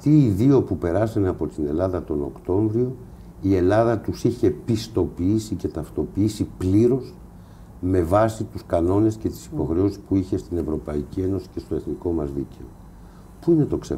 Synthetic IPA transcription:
ɐt̪iːðio̞pupe̞ɾɐsɐneɐpo̞t̪ine̞lɐðɐt̪o̞no̞kt̪o̞ɱvɾio̞ | ie̞lɐðɐt̪usiçe̞pist̪o̞piisice̞t̪ɐft̪o̞piisipliɾo̞s | me̞vɐsit̪uskɐno̞ne̞sce̞t̪i̥si̥po̞xɾe̞osi̥spuiçe̞st̪ine̞vɾo̞pɐicie̞no̞si̥ce̞st̪oe̞θniko̞mɐzðice̞o̞ | puine̞t̪o̞ksḛ

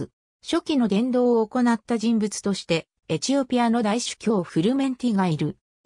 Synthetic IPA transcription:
ɨ | ɕo̞kʲino̞d̪ẽ̞nd̪o̞ːoːko̞nat̪ːaʑĩmbɯt͡sɨ̥t̪o̞ɕi̥t̪e̞ | et͡ɕio̞pʲiano̞d̪aiɕɨ̥kʲo̞ːɸɯ̟ɾɯ̟mẽ̞nt̪ʲiɡaiɾɯ̟

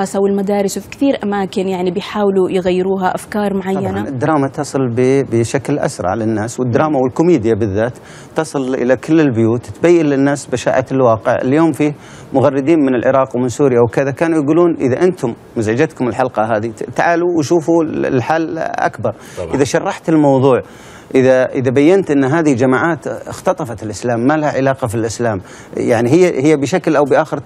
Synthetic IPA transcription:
ɑːsawɪlmad̪aːɾɪswfi̥kθiːɾʔamaːkɪnjaʕnibɪjħaːwlujɪɣajːɪɾuːɦaʔafkɑːɾˤmʊʕajːanaɪd̪ːɾˤɑːmat̪ɑsˤɨlbɪbɪʃaklʔa̰sɾˤɑ̰ʕlɪnːaːswɪd̪ːɾˤɑːmawɪlkʊmiːd̪ɪjabɪðːaːt̪ː | ɑsˤɨlʔɪ̰lakɪlːɪlbɪjuːt̪t̪bajːɪlːɪnːaːsbaʃa̰ːʔaɪlwɑːqɪʕɪ̰ljoːmfiːh | mʊɣɑrːɪd̪iːnmɪnɪlʕɪɾˤɑːqwmɪnsuːɾɪjawkɪðakaːnujɡuːluːnʔɪðaʔɪnt̪ʊmːazʕad͡ʒat̪kʊmɪlħɑlqɑɦaːðit̪aʕaːluwɪʃuːfuɪ̰lħaːlʔa̰kbɑɾˤ | ʔɪðaʃɑrˤːɑħt̪ɪlmɑwðˤuːʕ | ʔɪðaʔɪðabajːant̪ʔɪnːɦaːðihid͡ʒamaːʕaːt̪ɪxt̪ɑt̪ˤɑfɑt̪ɪlʔɪslaːmːalahaʕɪlaːqɑfilʔɪslaːm | jaʕniɦɪjːhɪjːabɪʃaklʔawbɪʔaːxɪɾ

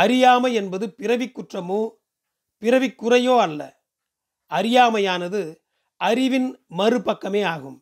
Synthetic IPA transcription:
ɐɾɪjaːmɐɛnbɐðɯpɪrɐʋɪkːʊʈrɐmoː | pɪɾɐʋɪkːʊrɐjoːɐlːɐ̰ | ʔɐɾɪjaːmɐjaːnɐðɯ | ʔɐɾɪʋɪnmɐrɯpːɐkːɐmeːaːɣɯm

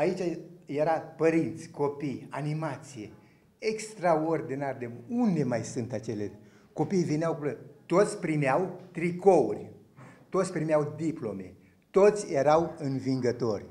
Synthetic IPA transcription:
ait͡ʃaje̞ɾapəɾint̪sʲko̞pijanimat̪sije̞ | ekst̪ɾaord̪inarʲd̪eund̪e̞majsunt̪at͡ʃe̞le | ko̞pijvineawklət̪o̞t̪sʲpɾimeawt̪ɾiko̞urʲ | t̪ot̪sʲpɾimeawd̪iplo̞me̞̰ | t̪ot̪sʲjeɾawɨnviŋɡət̪o̞rʲ

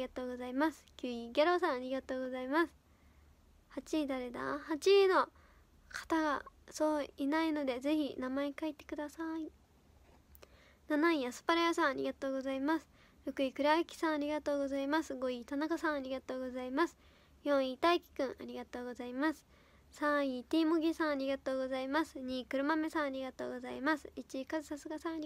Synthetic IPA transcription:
ɡat̪o̞ːɡo̞zaimasɨ̥kʲɯiɡʲaɾo̞ːsãɰ̃aɾʲiɡat̪o̞ːɡo̞zaimasɨ̥ | hat͡ɕid̪aɾed̪a̰hat͡ɕino̞ | kʰḁt̪aɡaso̞ːinaino̞d̪e̞ze̞çinamaekait̪ːe̞̥kɯ̟d̪asai | nanaijasɨ̥paɾajasãɰ̃aɾʲḭɡat̪o̞ːɡo̞zaimasɨ̥ | ɾɯ̟kɯ̟ikɯ̟ɾaɯkʲi̥sãɰ̃aɾʲiɡat̪o̞ːɡo̞zaimasɨɡo̞it̪anakasãɰ̃aɾʲiɡat̪oːɡo̞zaimasɨ̥ | jõ̞ɰ̃it̪aikʲi̥kɯ̟̃ɰʔaɾʲiɡat̪o̞ːɡo̞zaimasɨ̥ | sãɰ̃it̪ʲiːmoɡʲisãɰ̃aɾʲiɡat̪o̞ːɡo̞zaimasɨɲ̟iːkɯ̟ɾɯ̟mame̞sãɰ̃aɾʲiɡat̪oːɡo̞zaimasɨ̥it͡ɕikazɨsasɨɡasãaɾʲ

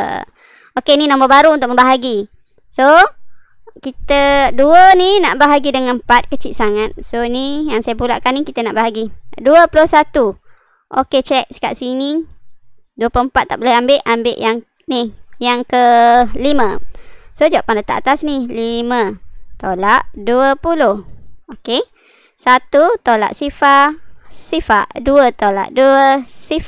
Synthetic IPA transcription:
okeninõmbɔbaɾuunt̪ʊk̚mə̃mbaɦaɡi | so | kit̪əduəninaʔbaɦaɡidəŋanmpat̪̚kət͡ʃiʔ̪̚saŋat̪̚sonijaŋsajapulaʔkanikit̪ənaʔbaɦaɡiduəplohsat̪u | ʔoket͡ʃɛk̚sə̥ka̰ʔsini | duəpuloəmpat̪ːaʔbolɛambeʔambeʔjaŋ | nijaŋkəlimə̃sod͡ʒaaʔpanlət̪a̰ʔat̪asnilimə̃t̪olaʔduəpulohoke | sat̪ut̪ola̰ʔsifaʔsifaʔduət̪ola̰ʔduəsif

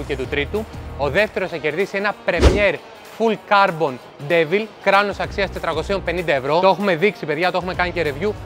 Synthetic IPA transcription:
uce̞t̪ut̪ɾit̪uoðe̞ft̪e̞ɾo̞sɐce̞ɾðisie̞nɐpɾe̞mje̞ɾ | fulkɐɾbo̞n | d̪e̞vilkɾɐnosɐksiɐst̪e̞t̪ɾɐko̞sionpe̞nind̪ɐe̞vɾo̞t̪oexume̞ðiksipe̞ðʝɐt̪oe̞xume̞kɐnice̞ɾe̞vʝu

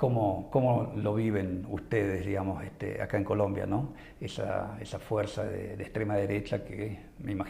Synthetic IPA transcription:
komokomoloβiβenust̪eðezðiɣamosest̪ḛa̰kaeŋkolombja̰no | esa̰esafweɾsaðḛd̪est̪ɾemaðeɾet͡ʃake | meimax

